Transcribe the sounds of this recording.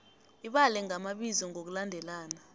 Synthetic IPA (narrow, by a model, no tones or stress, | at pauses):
iɓalɛŋʱamaɓizɔŋok̬ulandʱɛlaːna